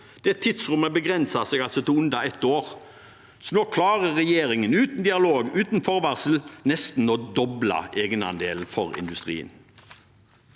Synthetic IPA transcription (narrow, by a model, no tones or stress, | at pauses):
d̪̥ɛt̪ʰːɪd̪sʁʉməbəɡʁɛnsɑseːɡɑlsɔt̪ʰɪʊnd̪ɑɛt̪oːʁ | sɔnoːkʰlɑːʁəːɛjeːʁɪŋənʉːt̪n̩d̪ɪɑloːɡʉːt̪n̩fɔʁʋæʁsəl̩nɛst̪n̩oːd̪ɔblɑ̰eːɡənɑ̰nd̪ḛːln̩fɔʁɪ̰nd̪ʉst̪ʁḭːə̰n